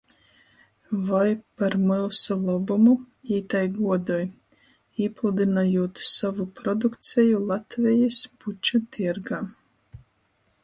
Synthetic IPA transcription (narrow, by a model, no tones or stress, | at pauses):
vajpaɾmɨlˠsɔlˠɔbumu | iːt̪ajɡuɔd̪ɔj | iplˠud̪ɨnajuɔt̪savupɾɔd̪ukt̪sʲɛjulˠat̪vʲɛjisb̥ut͡ʃɔt̪ʰiɛɾɡaː